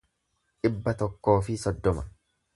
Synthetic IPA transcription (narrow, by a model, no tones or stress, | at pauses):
ᶑɪbːɐt̪ɔkːo̞ːfɪsɔd̪ːɔmɐ